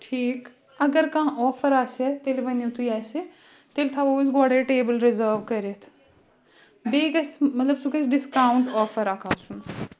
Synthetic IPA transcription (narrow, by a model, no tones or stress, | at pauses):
ʈʰiːk | ɐɡəɾkãːʔɔːfəɾaːset̪eːliʋɐnjũt̪ʰujaːse | t̪eːlt̪ʰaːʋoːʋis̬ɡaːɽeʈeːbəlɾɪzəːɾʋkɐɾet̪ʰ | beːɡɐsmɐt̪lɐbsukɐsɖɪskaːʊɳʈɔːfəɾakʰaːsun